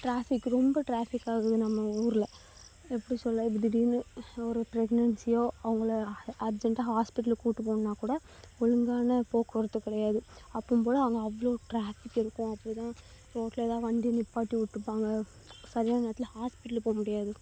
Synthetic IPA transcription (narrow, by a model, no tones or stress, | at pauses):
ʈɾaːfɪkːɯɾɔmbɐʈɾaːfɪkːaːɣɐðɯnɐmːɐuːɾɪlɐ | ɛpːɐɽisɔlːɐbɪd̪ɪɖiːnɯɔɾɯpɾɛɡnɐɳsɪjõːɐʋɐŋɡɐɭɐɾd͡ʒɛɳʈaːɦaːspɪʈːɐlkuːʈːɯpoːɳnːaːkuːɽɐ | ɔɻɯŋɡaːnɐpoːkːɔɾɐt̪ːɯkːɪɽɐjaːðɯɐpːɯmpoːðɐɐʋɐŋɡɐɐʋːɐɭoːʈɾaːfɪkːɪɾɯkːʊ̃ɐpːɐt̪ãː | poːʈleðãːʋɐnd̪inɪpːaːʈːiʋʊʈːɯpːaːŋɡɐ | sɐɾɪjaːnɐnaːt̪ːɪlhaːspɪʈːɐlpoːɐmʊɽɪjaːðɯ